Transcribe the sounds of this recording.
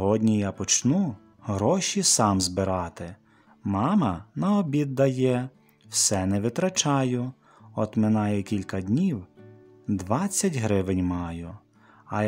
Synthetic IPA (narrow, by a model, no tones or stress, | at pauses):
ɦɔdʲnʲijapɔt͡ʃnu | ɦɾɔʃʲisɑmzbɪɾɑt̪ɪ | mɑmɐnɐɔbʲid̪ːɐjɛ | wsɛnɛʋɪt̪ɾɐt͡ʃɑjʊ | ɔt̪mɪnɑjɛkʲilʲkɐdʲnʲiw | d̪ʋɑt͡sʲːɐtʲɦɾɪʋɪnʲmɑjʊ | ɐ